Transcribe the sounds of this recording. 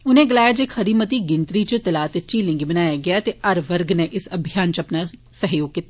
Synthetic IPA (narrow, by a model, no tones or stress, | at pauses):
ʊnẽːɡəlaːjad͡ʒeːkʰəɾiːmət̪iːɡɪnt̪ɾiːt͡ʃt̪əlaːt̪et͡ʃiːlɪ̃ŋɡibənaːjaːɡɪaːt̪eʔəɾʋəɾɡneʔɪsəbʱɪjaːnt͡ʃəpnaː | səɦjoːɡ̚kiːt̪ːaː